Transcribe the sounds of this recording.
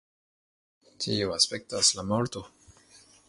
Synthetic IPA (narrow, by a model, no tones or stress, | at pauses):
tʰioaspek̚taslamolto